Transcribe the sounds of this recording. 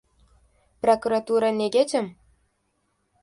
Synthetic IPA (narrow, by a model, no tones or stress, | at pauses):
prokuɾat̪uɾɑnʲeɡʲetʲɘ̆m